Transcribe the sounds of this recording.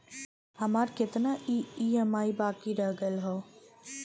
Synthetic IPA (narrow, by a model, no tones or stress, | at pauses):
hɐmaːɾkɪt̪naʔiiːɦəmaːibaːkiɾəɦɡəlɦoː